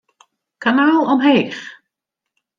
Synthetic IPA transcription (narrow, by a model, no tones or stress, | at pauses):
kanaːlˠɔmɦeːχ